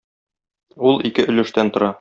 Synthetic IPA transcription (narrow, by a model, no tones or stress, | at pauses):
ulˠikɘʔɵ̆lɘ̆ʃt̪ænt̪ŏɾɑ